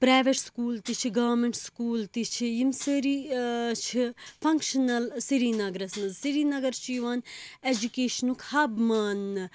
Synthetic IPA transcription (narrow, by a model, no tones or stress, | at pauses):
pɾaːjʋeʈskuːlt̪it͡ʃʰiɡɐʋɐmeɳʈskuːlt̪it͡ʃʰijimsiɾit͡ʃʰipʰɐŋkʃɐnɐlsiɾinɐɡɾɐsnɐzsiɾiːnɐɡɐɾt͡ʃʰijʋaːned͡ʒukeːʃɐnukʰhɐbmaːn